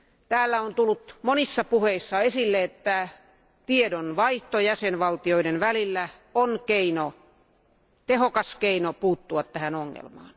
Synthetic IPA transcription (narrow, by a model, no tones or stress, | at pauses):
t̪æːlːæont̪ulːut̪monisːɑpuheisːɑesilːeet̪ːæ | t̪iedonʋɑiht̪ojæsenʋɑlt̪ioidenʋælilːæ | onkeino | t̪ehokɑskeinopuːt̪ːuɑt̪tæhænoŋːḛlmɑ̰ːn